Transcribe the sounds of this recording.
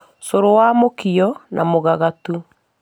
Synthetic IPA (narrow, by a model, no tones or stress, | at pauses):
soɾowaːmokiɔnʔamoɣaɣatu